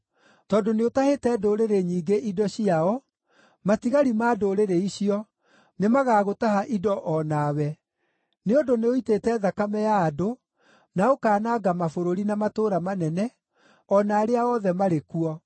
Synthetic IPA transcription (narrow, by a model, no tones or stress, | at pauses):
tɔdoneotahetɛːdoɾeɾeɲiːɡeʔidɔɕiaɔ | matiɣaɾimaːdoɾeɾeiɕiɔ | nemaɣaːɣotahaʔidɔʔɔnawɛ | neodoneoitetɛðakamɛjaːdo | naokaːnaɡamafoɾoɾinamatoːɾamanɛnɛ | ɔnaːɾeaɔðɛmaɾekuɔ